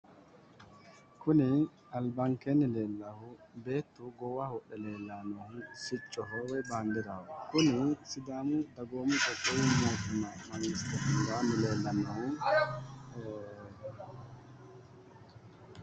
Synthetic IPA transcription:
kʊnɪ | ɐlbɐŋkɛnɪleːlːɐhʊbe̞ːt̪ːʊɡɔwahɔʔɛle̞ːlːanɔhʊsɪt͡ʃʼːɔɦɔwɛbaːnd̪ɪd̪ɐwɔkʊnɪsɪd̪aːmʊd̪ɐɡoːmʊt͡ʃɔɡɔwɪmoːt̪ʊnːɐmɐŋɡɪst̪ɛt̪ɪŋɡaːnɪle̞ːlːɐnːɔhʊ

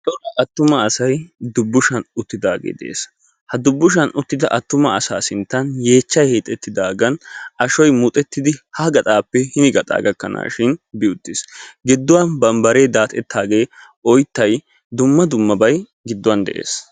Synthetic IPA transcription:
t̪ɔlɐʔɐt̪ːʊmɐːsɐjd̪ʊbːʊʃɐnʊt̪ːɪd̪aːɡḛːd̪ɛʔḛːs | hɐd̪ʊbːʊʃ̬ɐnʔʊt̪ːɪd̪ɐ̰ʔɐt̪ːʊmɐɐsaːsɪnt̪ːɐnjeːt͡ʃːɐjheːt̪ʼːɛt̪ːɪd̪aːɡɐnɐʃɔjmʊt̪ʼɛt̪ːɪd̪ɪhɐɡɐt̪ʼaːpːɛhɪnɪɡɐt̪ʼa̰ːɡɐkːɐna̰ːʃɪnbɪʊt̪ːɪsɡɪd̪ːʊwɐnbɐmbɐɾeːd̪aːt̪ʼɛt̪ʰːaːɡe̞ː | ɔjt̪ːɐj | d̪ʊmːɐd̪ʊmːɐbɐj | ɡɪd̪ːʊwɐnd̪ɛ̰ʔḛːs

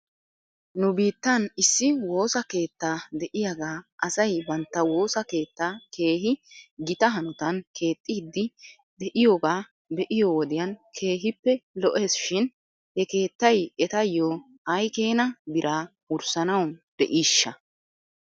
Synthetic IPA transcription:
nʊbiːt̪ːɐnɪsːɪwo̞ːsɐke̞ːt̪ːaːd̪ɛʔɪjaɡaːʔɐsɐjbɐnt̪ːɐwo̞ːsɐke̞ːt̪ːake̞ːɦɪɡɪt̪ɐɦɐnʊt̪ɐnkʰe̞ːt̪ʼːɪɪd̪ːɪ | d̪ɛʔɪjoːɡaː | bɛʔɪjoːwɔd̪ɪjɐnkʰe̞ːɦɪpːɛlɔʔe̞ːsʃɪn | hɛke̞ːt̪ːɐjɛt̪ɐjːoː | hɐjke̞ːnɐbɪɾʔaː | ʊɾsɐnɐwd̪̥ɛʔiːʃːɐ

